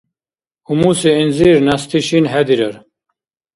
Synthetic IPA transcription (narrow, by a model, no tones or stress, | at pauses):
umuseinziɾnɐst̪ʰiɕinɦɛd̪iɾɐɾ